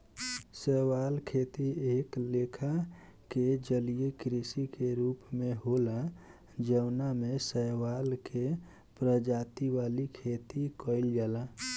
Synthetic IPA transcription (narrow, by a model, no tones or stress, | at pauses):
səɦwalkʰet̪ieːklekʰa | ked͡ʒəlijekɾisikeɾupmẽɦola | d͡ʒəʊnamesəwalkʰe | pɾəd͡ʒat̪iʋalikʰet̪ikəɪld͡ʒala